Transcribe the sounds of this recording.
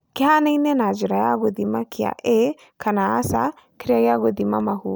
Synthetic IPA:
kɛɦanəjnɛnad͡ʒɾajaɡod̪imakija̰ʔe | kʰanasa̰ | kʰɾijajaɡod̪imamaɦu

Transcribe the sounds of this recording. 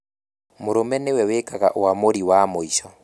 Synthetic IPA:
moɾomɛnewɛwekaɣa̰ʔoamoɾiwamoiʃɔ

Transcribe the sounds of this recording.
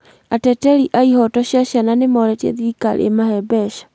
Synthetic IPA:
atɛtɛɾiʔaihɔtɔɕaɕjananemɔɾɛtjɛ̰ðika̰l̰ḛmahɛbɛʃḁ

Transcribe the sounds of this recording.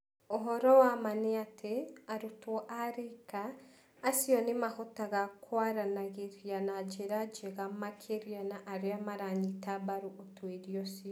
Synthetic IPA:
oɦɔɾɔwamaneatʰeaɾutwɔʔaɾekaː | siɔnemahɔtaɣakwaɾanaɣeɾjanad͡ʒeɾad͡ʒeɣamakʰeɾjanaʔːɾeamaɾaɲitabaɾuʔotweɾjɔsiɔ

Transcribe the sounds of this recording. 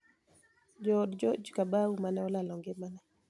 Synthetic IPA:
d͡ʒɔdd͡ʒɔd͡ʒkabaumanɛɔlalɔŋɡemanɛ

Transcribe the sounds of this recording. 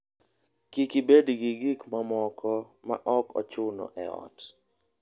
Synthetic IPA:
kikibedɡiɡikmamɔkʰɔma̰ʔɔkɔ̰t͡ʃʊnɔ̰ʔɛ̰ɔ̰t

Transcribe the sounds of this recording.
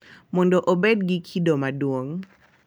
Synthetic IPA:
mɔndɔʔobed̚ɡikʰidɔmaduwoŋ

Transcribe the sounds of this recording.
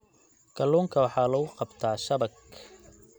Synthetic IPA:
kʰɐluːŋkʰɐwɑħɑːlɐɣʊqɑbt̪ʰaːʃɐbɐk

